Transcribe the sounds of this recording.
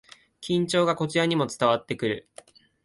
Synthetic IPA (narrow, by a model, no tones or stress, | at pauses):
kʲĩɲ̟t͡ɕo̞ːɡako̞t͡ɕijaɲ̟imo̞t͡sɨ̥t̪aβat̪ːe̞kɯ̟ɾɯ̟̰